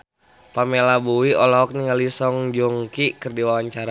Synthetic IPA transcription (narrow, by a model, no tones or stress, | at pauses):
pamelabuiɔlɔɦɔk̚niŋalisɔŋd͡ʒɔŋkikərdiwawaɲt͡ʃaɾa